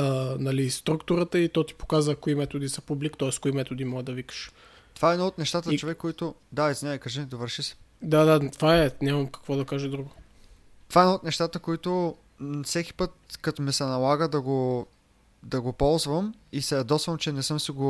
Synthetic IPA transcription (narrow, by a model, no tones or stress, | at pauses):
ənɐlist̪ɾukt̪uɾət̪əit̪ɔt̪i̥po̥kazvəkoimɛt̪od̪isɐpublikt̪ɔɛskoimɛt̪od̪imɔɡəd̪ɐvikə̥ʃ | t̪ovaɛːnoot̪̚nɛʃt̪at̪ət͡ʃovɛkːoit̪ʊ | d̪aizvinʲaikɐʒɛd̪ovəɾʃisɛ̥ | d̪ad̪at̪ovaɛnʲamɐmkɐ̥kvɔd̪ɐkaʒɛd̪ɾuɡʊ | t̪ovaɛnoːt̪nɛʃt̪at̪əkoit̪o | fsɛkʲi̥pɤt̪̚kɐt̪omɛsɛnɐlˠaɡəd̪ɐɡo | d̪ɐɡopɔlˠzvəmisɛɐd̪ɔsvɐnt͡ʃɛnɛsɤmsiɡo